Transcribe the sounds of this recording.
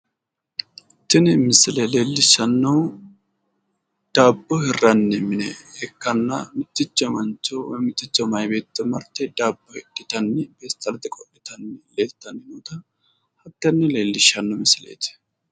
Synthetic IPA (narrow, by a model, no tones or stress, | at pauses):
t̪ːɪnɛmɪsɪlɛleːlːɪʃːɐnːɐw | d̪̥aːbːɔhɪrːɐnːɛmɪnɛhɛkːɐnːɐ̰mɪt̪ːɪt͡ʃːɐmɐnt͡ʃːɔwɔjmɪt̪ːɪt͡ʃːɐmɐjbe̞ːt̪ːɛmɐɾt̪ːɛd̪aːbːɔhɛdːɪt̪ɐnːɪb̥eːst̪ɐlɐt̪ːɪkʼɔpʼːɪt̪ɐnːɛleːt̪ːɐnːɪnut̪ɐ | hɐt̪ːɐnːɛle̞ːlːɪʃːɐnːɔmɪsɪlḛːt̪